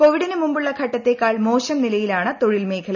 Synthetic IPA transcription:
po̞ʋiɽinɨmumbuɭːɐɡʰʱɐʈːɐt̪ːe̞kaːɭmo̞ːɕɐmnilɐjilaːɳɨt̪o̞ɻilme̞ːkʰɐlɐ

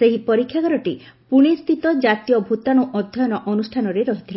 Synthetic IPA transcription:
eɦipɔɾikʰːjakɔɾɔʈi | puɽ̃ist̪ʰit̪ɔd͡ʒat̪ijɔbʱut̪aɽ̃uʔɔd̪ʱjɔjɔnɔʔɔnusʈʰanɔɾeɾɔɦit̪ʰila

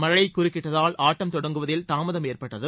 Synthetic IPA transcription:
mɐɻɐjɐɪkːʊrɪkːɪʈːɐðaːlʔaːʈːɐmt̪ɔɽɐŋɡɯʋɐðɪlt̪aːmɐðɐmeːrpɐʈːɐðɯ

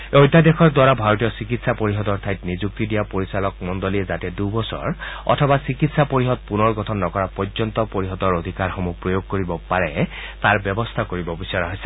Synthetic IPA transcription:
ojtadexʰɔɹdwaɹabʱaɹotijɔsikitsapoɹiɦɔt̪ɔɹtʰajtnizuk̚tidijapoɹisalɔk̚mɔndoliɛzatɛdubɔsɔ̰ɹɔ̰tʰɔbasikitsapoɹiɦɔt̪̚punɔɹɡɔtʰɔnːɔkɔɹapɔzɔnt̪ɔpoɹiɦɔtɔɹod̪ʱikaɹxɔmupɹojoɡ̚koɹibɔpaɹɛ | taɹbjɔbɔst̪ʰakoɹibɔbisɔɹaɦojsɛ̥

